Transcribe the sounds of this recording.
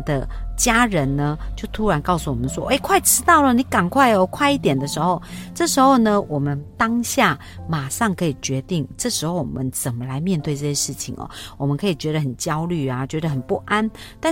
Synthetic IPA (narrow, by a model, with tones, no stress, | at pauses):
d̪ə̰˨t͡ɕja˥ɻə˨˦nnə˧t͡ɕjo˥˩ʊt̪ʰu˥ɻa˧˥nkɑ˥˩ʊsu˨˩wɔ̰˨˩mə˦nʂwɔ̰˦ʔe˥˩ɪkʰwa˥˩ɪʈ͡ʂʰɻ̩˥t̪ɑ˥˩ʊlə˨ni˨˦ka˨˩nkʰwa˥˩ɪɔ˨kʰwa˥˧ɪi˥˩t̪jɛ˨˩nd̪ə˩˦ʂɻ̩˧˦xo˥˧ʊʈ͡ʂɤ˥˩ʂɻ̩˧˥xo˥˧ʊnə˨wʔɔ˨˩mə˦nt̪ɑ˥ŋɕja˥˩ | ma˨˩ʂɑ˥˩ŋkʰɤ˧˥i˨˩t͡ɕɥɛ˧˦t̪i˥˩ŋʈ͡ʂɤ˥˩ʂɻ̩˧˥xo˥˩ʊwɔ̰˨˩mə˦nt͡sə˨˩nmə˦la˧˦ɪmjɛ˥˧nt̪we˥˧ɪʈ͡ʂɤ˥˧˩ɕjɛ˧˦ʂɻ̩˥˩t͡ɕʰḭ˨˦ŋɔ̰˨˩wɔ˨˩mə˦nkʰɤ˧˥i˨˩t͡ɕɥɛ˧˥d̪ə˧xə˨˩nt͡ɕjɑ˥ʊly˥˩a˨t͡ɕɥɛ˧˦˥d̪ə˧ɦə˨˩npu˥˩ʔa˥nt̪a˥